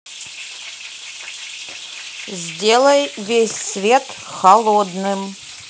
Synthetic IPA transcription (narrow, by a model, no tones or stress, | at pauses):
zʲdʲelˠəjvʲesʲsvʲet̪ | xɐlˠod̪nɨm